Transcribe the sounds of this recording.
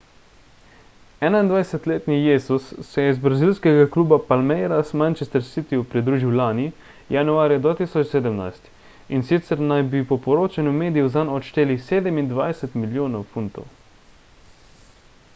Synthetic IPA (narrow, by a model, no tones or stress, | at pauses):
ɛnaind̪ʋajsɛt̪leːt̪nijeːzusːɛjɛizbɾazilskɛɡakluːbapalmɛjɾasmant͡ʃɛst̪ɛɾsit̪iupɾid̪ɾuːʒiwlaːni | januaːɾjad̪ʋaːt̪isɔt͡ʃseːd̪əmna̰jst̪ | insit̪sɛɾnajbipɔpɔɾoːt͡ʃanumeːd̪ijuzanɔʃt̪eːliseːd̪ɛmind̪ʋajsɛt̪miljoːnɔwfunt̪ɔ̰w